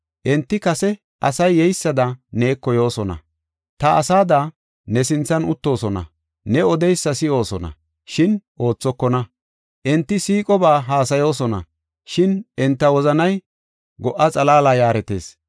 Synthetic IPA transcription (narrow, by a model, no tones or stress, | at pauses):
ʔɛnt̪ːɪkɐsɛ | ʔɐsɐjːɛjsːɐd̪ɐne̞ːkːɔjo̞ːsɔnɐ̰ | t̪ɐɐsaːd̪a | nɛsɪnt͡sːɐnʊt̪ːo̞ːsɔnɐ̰ | nɛɔd̪ɛjsːɐsɪo̞ːsɔnɐ̰ | ʃɪnʔo̞ːt͡sːɔkːɔnɐ | ʔɛnt̪ːɪsiːkʼɔbaːɦaːs̬ɐjo̞ːsɔnɐ̰ | ʃɪnʔɪnt̪ːɐwɔzɐnɐj | ɡɔʔːɐt͡sʼɐlaːlaːjaːɾɛt̪e̞̰ːs